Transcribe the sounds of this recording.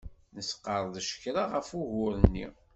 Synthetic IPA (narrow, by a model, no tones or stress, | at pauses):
nəsqːəɾˤðʃə̥kɾaʁəfuʝʊɾənːḭ